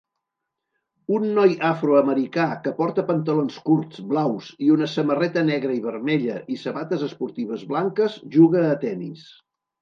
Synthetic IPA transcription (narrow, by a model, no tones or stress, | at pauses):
unːɔjafɾoəməɾikakəpɔɾt̪əpənt̪əlonskuɾzblawziunəsəmərɛt̪ənɛɣɾəiβ̞əɾmɛʎəʔisəβat̪əzəspuɾt̪iβ̞əzβlaŋkəzʒuɣəːt̪ɛnḭs